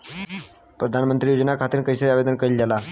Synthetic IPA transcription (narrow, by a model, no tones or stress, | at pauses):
pɾəd̪ʱanmənt̪ɾiːjod͡ʑənakʰat̪iːɾkəjsəabed̪ənkəild͡ʑala